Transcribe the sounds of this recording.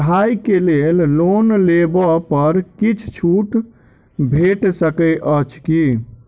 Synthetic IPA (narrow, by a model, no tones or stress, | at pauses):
ɦaikelellonlebɔpəɾkit͡ʃʰt͡ʃʰuʈ | bʱeʈsəkəʔət͡ʃʰki